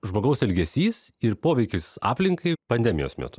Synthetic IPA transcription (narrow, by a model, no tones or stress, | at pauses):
ʒmoːɡɐʊsɛlʲɡʲɛsʲiːsɪɾpoːʋʲɛɪkʲɪsɑ̰ːpʲlʲɪŋkɐɪpɐnʲd̪ʲɛmʲɪjo̰ːsmʲɛ̰t̪ʊ̥